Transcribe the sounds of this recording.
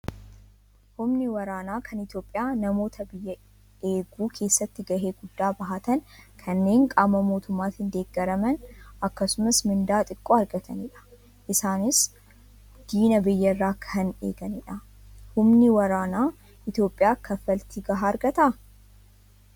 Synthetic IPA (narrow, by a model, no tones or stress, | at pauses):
hʊmnɪwɐɾaːnaːkʰɐnɪt̪jo̞ːpʼːɪjaːnɐmo̞ːt̪ʰɐbɪjːɐ | eːɡuːkʰe̞ːsːɐt̪ːɪɡɐhe̞ːɡʊd̪ːaːbɐɦɐt̪ɐnkʰɐnːe̞ːŋkʼaːmɐmo̞ːt̪ʊmːaːt̪ɪnd̪e̞ːɡːɐɾɐmɐnɐkːɐsʊmɐsmɪnd̪aːt̪ʼɪkʼːoːɐɾɡɐt̪ʰɐnɪᶑɐ̥ | ʔɪsaːnɪs | d̪̥iːnɐbɪjːɐrːaːkʰɐnḛːɡɐnɪᶑɐ | hʊmnɪwɐɾaːnaː | ɪt̪jo̞ːpʼːɪjaːkʰɐfːɐlt̪iɡɐɦaːɐɾɡɐt̪ɐ